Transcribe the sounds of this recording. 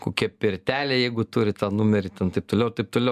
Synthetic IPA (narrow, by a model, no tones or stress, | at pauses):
koːkʲiɛpʲɪɾʲt̪ʲæːlʲeːjɛɪɡʊt̪uɾʲɪt̪ɑːnumʲɛɾʲɪt̪ʲɛnt̪ɐɪp̚t̪oːlʲɛʊt̪ɐɪp̚t̪oːlʲɛʊ